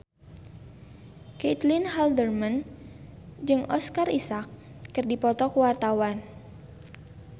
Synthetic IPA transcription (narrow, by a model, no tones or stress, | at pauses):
ket̪linhaldərman | d͡ʒɨŋʔɔskarisakː | ɨrdipɔt̪ɔkuwart̪awan